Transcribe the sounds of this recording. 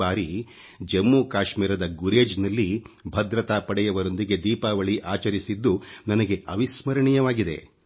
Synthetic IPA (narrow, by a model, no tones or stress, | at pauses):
aːɾi | d͡ʒɐmːuːkaːʃmiːɾɐd̪ɐɡuɾeːd͡ʒnɐlːi | bʱɐd̪ɾɐt̪aːpɐɽɛjɐʋɐɾo̞nd̪iɡe̞d̪iːpaːʋɐɭiʔaːt͡ʃɐɾisid̪ːunɐnɐɡe̞ɐʋismɐɾɐɳijɐʋaːɡid̪e̞̰